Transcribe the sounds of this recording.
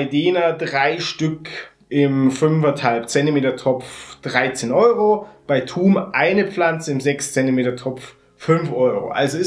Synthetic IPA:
ɪdeːnɐdʁaɪʃtʏk | ʔɪmfʏnfɛthalp̚t͡sɛntimeːtɐtʰɔpp͡fd̥ʁaɪt͡seːnʔɔʏʁob̥aɪtʰuːmʔaɪnəp͡flant͡səɪmzɛkst͡sɛntimeːtɐtʰɔp͡f | fʏnfʔɔʏʁo̰ʔa̰lzoɪ

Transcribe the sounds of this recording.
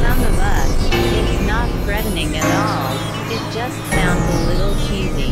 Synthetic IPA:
ʌ̃nðəbʌsɪtznət̚θɹɛʔn̩ɪ̃ŋɨɾɔlˠ | ɨt̚d̥ʒ̥ʌstsãʊ̃nzɨ̃lɪɾl̩ˠt͡ʃʰizi

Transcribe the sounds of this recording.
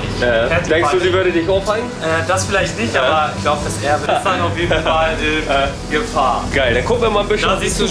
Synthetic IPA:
ɛhɛɐt͡sd̥ɛŋksduːziːvɛɐdədɪçaʊfhaɪn̩ʔɛːd̥asfɪlaɪçtnɪçtʔabɐɪçɡ̥laʊbəd̥asʔɛːɐbəfanaʊfjeːdnfalɪm | ɡ̥əfaɐɡ̥aɪldankʰʊk̚m̩viɐmaːln̩bɪsdəazisd̥u

